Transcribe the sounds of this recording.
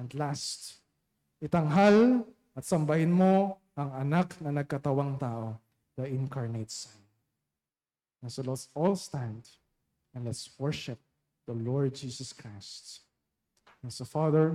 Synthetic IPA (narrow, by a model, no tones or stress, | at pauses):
ɐ̃nd̪last̪ | ʔɪt̪ɐŋɦal | ɐt̪sɐmbɐhɪnmo̞ | ʔɐŋɐnaknɐnɐɡ̚kɐt̪ɐwaŋt̪aːʔo | d̪̥ɐʔɪ̃nkaɹnet̪sɐn | ɛnsolɛt̪sɔlst̪ãnd̪ | ɛ̃nlɛt̪swɔɹʃɪp̚ | d̪̥ɐlɔɹd̪̚d͡ʒiːsɐskɹajst̪ | ɛsɐfaðɛɹ